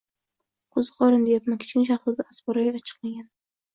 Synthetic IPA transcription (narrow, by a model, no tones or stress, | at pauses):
qʰʊzɨqʰɒɾɨnd̪ejapmankʲʰɪ̥t͡ʃkʲɪnʃ̬aχsʊd̪aasbɒɾajvat͡ʃʰɨ̥qlaɡʲan